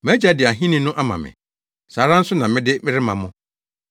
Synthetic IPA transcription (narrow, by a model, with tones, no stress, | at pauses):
m˨æ˦d͡ʑa˦dɪ˨a˨ɦĩ˦nĩ˦nʊ̃˦ʔa˦mã̰˨mɪ̰̃˨ | saː˨ɾã˦n̩˦sʊ˦nã˨mɪ̃˦dɪ˦mɪ̃˦ɾɪ˦mã̰˨mʊ̃˦